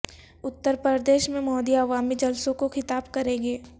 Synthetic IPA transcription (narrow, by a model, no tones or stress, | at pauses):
ʊt̪ːəɾpəɾd̪eːʃmẽmɔːd̪iɐʋaːmid͡ʒɐlsõkoxɪt̪aːbkɐɾẽːɡeː